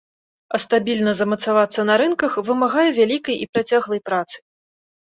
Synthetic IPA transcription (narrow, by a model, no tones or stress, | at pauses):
ɐst̪abʲilʲnɐzɐmɐt̪savat̪sːɐnɐɾɨnkɐxvɨmaɣajɛvʲalʲikɐjipɾat͡sʲaɣlˠɐjpɾat̪sɨ̥